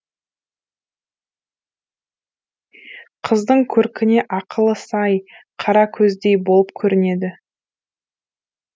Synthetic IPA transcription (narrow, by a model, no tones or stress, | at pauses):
qʰəzd̪əɴkʲʰɵɾkʲɪne̞ʔɑqəlˠəsɑjqʰɑɾɑkʲʰɵzd̪e̞jbo̞lˠəp̚kʲʰɵɾɪne̞d̪ɪ